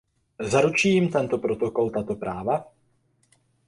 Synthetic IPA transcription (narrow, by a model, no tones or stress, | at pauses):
zaɾut͡ʃijɪmt̪ɛnt̪o̞pɾo̞t̪o̞ko̞lt̪at̪o̞pɾʔaːva